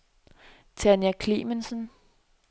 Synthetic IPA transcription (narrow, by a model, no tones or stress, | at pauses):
t͡sʰænjækʰlimənsən